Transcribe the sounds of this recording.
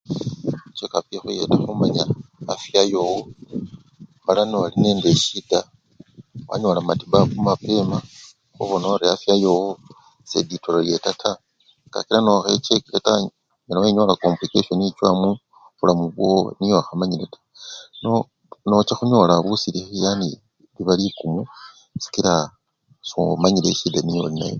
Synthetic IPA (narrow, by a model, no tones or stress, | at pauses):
t͡ʃekapixuje̞̰taxumaɲaːfjajowo | malaniwaline̞ːndeʃida | wa̰ɲolamatiβakumape̞ma | xuβonoɾeafjajowo | sḛditololjetatʰa | ŋɡ̥a̰kilanoxet͡ʃekileta | ɲonaweɲolakomplikeʃonit͡ʃwamu | βulamuβwo̰nijoaxamaɲiletḁ | no | not͡ʃaxuɲo̞ːlaβusilixijani | liβalikumu | si̥kiɾa | somaɲile̞̰ʃidanijo̰lina̰jo̰